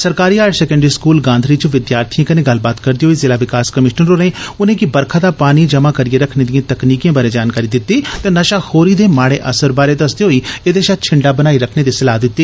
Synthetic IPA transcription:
səɾkaːɾiːaːɖsɛːkə̃ɳɖɾiːskuːlɡãːnd̪ɾiːt͡ʃõʋɪd̪jaːɾt̪ʰiãːkənẽːɡəlbaːt̪kəɾd̪iːɦoːiːzɪlaːʋɪkaːskəmɪʃnənɾoɾẽːʊnẽːkɪbəɾkʰaːd̪aːpaːniːd͡ʒəmãːkəɾieːɾəkʰneːd̪ijãːt̪əkniːkijãːbaːɾeːd͡ʒaːnkaːɾiːd̪ɪt̪ːiːt̪ẽːnəʃaːhoːɾiːd̪eːmaːɽeːʔəsəɾbaːɾeːd̪əsd̪eːɦoːiːeːd̪eːʃat̪̚t͡ʃʰɪɳɖaːbənaːiːɾəkʰneːd̪eːsəlaːd̪ɪt̪ːiː

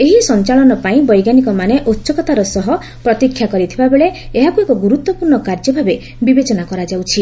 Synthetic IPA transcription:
eɦisɔnt͡ʃaɭɔnɔpaĩbɔjɡanikɔmaneʔotːʃɔkɔt̪aɾɔsɔɦɔ | pɾɔt̪ikʰːjakɔɾit̪ʰibabeɭeeɦakuekɔɡuɾut̪wɔpuɾɳɔkaɾd͡ʒɔbʱabe | bibet͡ʃɔnakɔɾad͡ʒawt͡ʃʰi

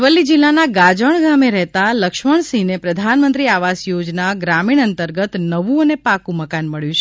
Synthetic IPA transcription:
ʋəlːid͡ʒilːanaɡad͡ʒəɳ̃ɡameɾəɦt̪aləkʃməɳ̃sĩnepɾəd̪ʱanmənt̪ɾiaʋasjod͡ʒnaɡɾamiɳ̃ənt̪əɾɡət̪nəʋũənepakũməkanməɭjũt͡ʃʰ

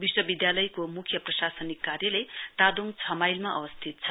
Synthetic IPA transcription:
biswʌbid̪jalʌjkomukʰjʌprʌsasʌnikːarjʌlʌjt̪ad̪uŋt͡sʰʌmajlmaʔʌ̰bʌst̪ʰit̪̚t͡sʰʌ

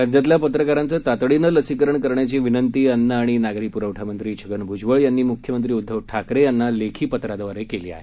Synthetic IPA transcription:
ad͡ʑ̪jat̪ljapət̪ɾəkaɾant͡sət̪at̪ɽinələsikəɾəɳkəɾɳjat͡ɕiʋinənt̪iːənːəaɽ̃inaɡɾiːpuɾaʋʈʰamənt̪ɾiːt͡ɕʰəɡənbʱud͡ʑʋəɭjanːiːmukʰjəmənt̪ɾiːud̪ʱːəʋʈʰakɾejanːalekʰiːpət̪ɾad̪əʋaɾekelḭːa̰ɦe

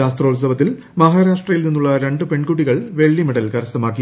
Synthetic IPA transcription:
aːst̪ro̞ːls̬ɐʋɐt̪̬ːil | mɐɦaːɾaːʂʈrɐjilninːuɭːɐɾe̞ɳɖɨpe̞ɳkuʈːiɣɐɭʋe̞ɭːimeɽɐlkɐɾɐsɐmaːkːi

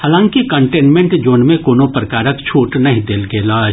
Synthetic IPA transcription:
haːlãːŋkikɐ̃ɳʈeːnmẽɳʈd͡ʒoːnmẽkoːnõpɾɐkaːɾəkt͡ʃʰoːʈnɐɦĩd̪eːlɡeːlaːd͡ʒ

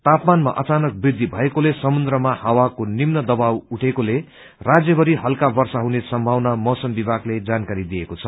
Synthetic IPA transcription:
t̪apmanma̰ʔʌt͡sanʌk̚brid̪ʱːibʱʌekolesʌmund̪ɾʌmahʌwakonimnʌd̪ʌbawuʈʰekole | rad͡zjʌbʌɾiɦʌlkabʌrsaɦunesʌmbʱawnamʌsʌmbibʱaɡled͡zankaɾid̪ijekot͡sʰʌ

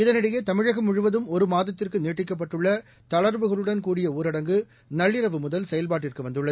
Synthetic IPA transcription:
ɪðɐnɪɽɐjeːt̪ɐmɪɻɐɣɐmʊɻɯʋɐðɯmɔɾɯmaːðɐt̪ːɪrkɯneːʈːɪkːɐp̬ːɐʈːɯɭːɐ | t̪ɐɭɐɾbɯɣɐɭɯɽɐnkuːɽɪjɐuːɾɐɽɐŋɡɯ | nɐɭːɪɾɐʋɯmʊðɐlsɛjɐlpaːʈːɪrkɯʋɐnd̪ɯɭːɐð

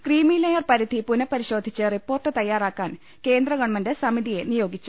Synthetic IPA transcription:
kriːmilɐjɐrpɐɾid̪ʱipunɐpːɐɾiɕo̞ːd̪ʱit͡ɕːɨripːo̞ːrʈːɨt̪ɐjːaːraːkːaːn | ke̞ːnd̪rɐɡɐɳɐmɐndesɐmiðije̞nijo̞ːɡit͡ɕːu̥

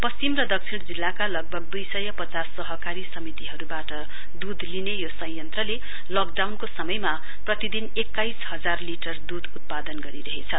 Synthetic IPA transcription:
pʌst͡simrʌd̪ʌk̚t͡sʰiɽ̃d͡zilːakalʌɡ̚bʱʌɡ̚d̪ujsʌjʌpʌt͡sasːʌɦʌkaɾisʌmit̪iɦʌɾubaʈʌ | d̪ud̪linejosʌjʌnt̪rʌle | lʌk̚ɖawnkosʌmʌjma | prʌt̪id̪inekːajshʌd͡zarliʈʌrd̪ud̪ut̪̚pad̪ʌnɡʌɾiɾʌɦet͡sʰʌ

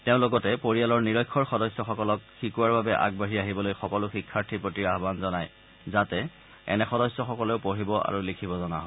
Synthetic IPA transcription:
teʊ̃loɡɔtɛpoɹijalɔɹniɹɔjkʰːɔɹxɔdɔsjɔxɔkɔlɔkxikuwaɹbabɛʔa̰ɡ̚baɦiaɦibɔlojxɔkɔluxikʰːaɹtʰipɹotiɹaɦbanzɔnaj | zatɛ | ɛ̰nɛxɔdɔsjɔxɔkɔleʊpoɦibɔa̰ɹulikʰibɔzɔna̰ɦɔ

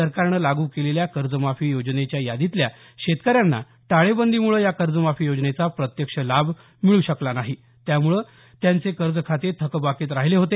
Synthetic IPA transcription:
əɾkaɾɳəlaɡuːkeleljakəɾd͡zəmafiːjod͡znet͡ɕjajad̪it̪lja | ɕet̪kəɾjanːa̰ | ʈ̪aɭebənd̪ʱimuɭəjakəɾd͡zəmafiːjod͡znet͡sapɾət̪jəkʂəlab | miɭuːɕəklanaɦi | t̪jamuɭəː | t̪jant͡sekəɾd͡zəkʰat̪iɾt̪ʰəkəbakiːt̪ɾaɦileɦot̪e

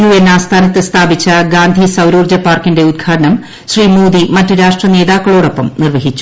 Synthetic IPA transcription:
uʋenːaːst̪ʰaːnɐt̪ːest̪ʰaːbit͡ɕːɐɡaːnd̪ʱisɐwɾuːrd͡ʑɐpːaːrkinde̞ud̪̚ɡʰaːɾɐnɐm | ɕriːmuːd̪imɐtːɨɾaːʂʈrɐne̞ːðaːkːɐɭo̞ːɽo̞pːɐmnirʋɐɦit͡ɕːu̥

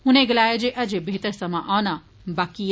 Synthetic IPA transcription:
ɦũneɡəlaːjad͡ʒeʔɐd͡ʒebʱeːt̪əɾsəmãʔaʋna | baːki

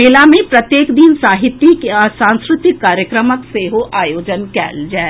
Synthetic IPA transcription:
eːlamẽpɾɐt̪jeːkd̪insaːɦɪt̪ːikɔsãːnskɾɪt̪ɪkːaːɾjəkɾəməkseɦoʔaːjoːd͡ʒənkɛ̰ːld͡ʒɛː

